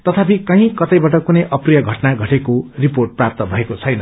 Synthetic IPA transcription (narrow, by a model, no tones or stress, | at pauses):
t̪ʌt̪ʰapikʌɦĩkʌt̪ʌjbaʈʌkunʌjʔʌprijʌɡʱʌʈnaɡʱʌʈekoriporʈ̚prap̚t̪ʌbʱʌekot͡sʰʌjnʌ